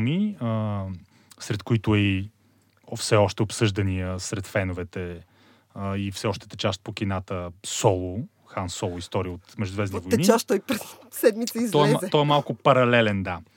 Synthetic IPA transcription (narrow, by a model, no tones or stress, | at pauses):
miə | sɾɛt̪kʊit̪ʊɛi | fsɛɔʃt̪ɛopsɤʒd̪ɐniəsɾɛt̪fɛnovɛt̪ɛ | ifsɛɔʃt̪ə̥t̪ɛt͡ʃaʃt̪̚pokinat̪əsɔlˠʊ | xansɔlˠʊist̪ɔɾijəot̪mɛʒd̪ʊd̪vɛzvoj̪ɛnit͡ʃaʃtt̪ɔjpɾɛsːɛd̪mit̪sɐizt̪ɔɛmaɛt̪ɔɛmalˠkʊpɐɾɐlɛlɛnd̪a